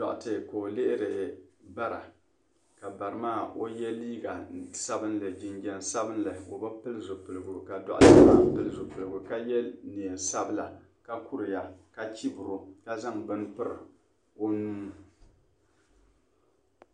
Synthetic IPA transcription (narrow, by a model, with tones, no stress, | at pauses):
dɔ̰˨ʔʊ̰˨tɨ˨ko˨o˨le˦ʔɪ˦ɾɪ˨ba˦ɾa̰˨ | ka˨ba˨ɾɨ˨maː˦˨o˦jɛ˦liː˦ɡa˨sa˦bɨ˦nlɨ˨d͡ʒɪ˦nɡɛ˦n˦sa˦bɨ˦n˦la˨o˨ba˦pɨ˦lzo˨pɨ˨lɨ˨ɡu˨ka˨dɔ̰˨ʔʊ˦tɨ˦maː˦˨pɨ˦lzo˨pɨ˨lɨ˨ɡu˨ka˦jɛ˦ni˨e˨sa˦bɨ˦la̰˨ | ka˦ku˦ɾɪ˨ja˨ka˦t͡ʃi˦bʊ˨ɾo˦ka˦za˦ŋbɨ˦npɨ˦ɾɨ˨ | o˦nuː˦